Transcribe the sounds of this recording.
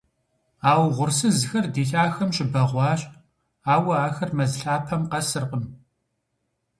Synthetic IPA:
aːwʁʷʊrsɨzxɐrdeːɬaːxɐmɕɪbɐʁʷɑːɕʼ | aːwɐaːxɐrmɐzɨɬaːpʰɐmqɐsɨrqəm

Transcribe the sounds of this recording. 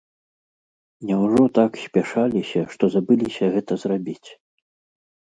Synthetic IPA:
nʲɛwʐɔt̪aksʲpʲɛʂalʲisʲɐʂt̪ɔzabɨlʲisʲɐɣɛt̪ɐzrabʲit͡sʲ

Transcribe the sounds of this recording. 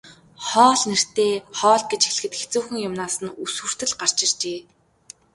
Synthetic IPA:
χɔːɮner̥t̪eːχɔːɮ̚ɡet͡ɕixɮɘ̥̆xɘ̆t̪xet͡suːxɘ̆ŋjʊmnaːsə̆nuswŭr̥t̪ɘ̆ɮɢar̥t͡ɕɪ̆rt͡ɕeː

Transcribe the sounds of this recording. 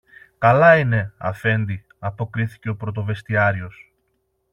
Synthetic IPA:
kɐlɐine̞ɐ̰fe̞nd̪i | ɐpo̞kɾiθi̥ce̞o̞pɾo̞t̪o̞ve̞st̪iɐɾio̞s

